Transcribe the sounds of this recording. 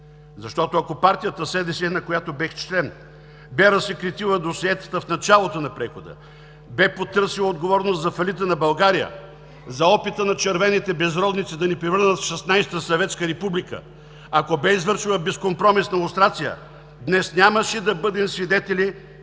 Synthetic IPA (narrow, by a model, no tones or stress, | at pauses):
zɐʃt̪ɔt̪oɐkopaɾt̪ijət̪əsɛd̪ɛsinɐkojat̪obɛxt͡ʃlɛn | bɛɾɐsɛkɾit̪ilˠəd̪osɛt̪ə̥t̪əfnɐt͡ʃalˠot̪onɐpɾɛxod̪ə̰ | bɛpot̪ɤɾsilˠɐod̪ɡovɔɾnost̪zɐfɐlit̪̬ənɐbɐlˠɡaɾijə̰ | zɐɔpit̪ənɐt͡ʃɛɾvɛnit̪ɛbɛzɾɔd̪nit̪sid̪ɐnipɾɛvɤɾnət̪fʃɛsnajst̪əsɐvɛt̪skəɾɛpublikə̰ | ɐkobɛizvɤɾʃilˠɐbɛskompɾɔmisnɐilˠst̪ɾat̪sijə̰ | d̪nɛsnʲaməʃɛd̪ɐbɤd̪ɛmsvid̪ɛt̪ɛlʲi